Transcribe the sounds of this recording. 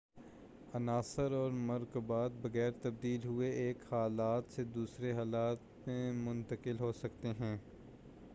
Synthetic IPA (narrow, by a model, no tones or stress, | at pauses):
ɐnaːsəɾɔːɾmɐɾkubaːt̪̚bɐɣɛːɾt̪ɐb̚d̪iːlɦʊeʔeːkhaːlaːt̪sed̪uːsɾeɦaːlaːt̪mẽmʊ̃nt̪əkɪlɦosɐkt̪eɦɛ̃ː